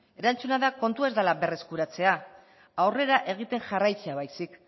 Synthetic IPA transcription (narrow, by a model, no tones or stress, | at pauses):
e̞ɾant͡sunaðako̞nt̪ue̞zd̪alaβe̞re̞skuɾat͡se̞a | awre̞ɾaʔe̞ɣ̞it̪e̞ŋʝarajt͡se̞aβajsik